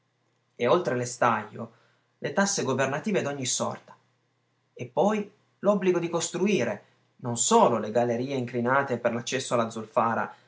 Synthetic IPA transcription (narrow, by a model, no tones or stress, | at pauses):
eolt̪ɾelest̪ajːo̰ | lʔet̪asːeɡovernat̪iːved̪oɲːisɔ̰rt̪ḁ | epːɔj | lɔbːliɡod̪ikost̪ɾuiːɾe | nonsoːloleɡalːeɾiːeiŋklinaːt̪eperlat͡ʃːɛsːoalːad̪zulfaːɾa̰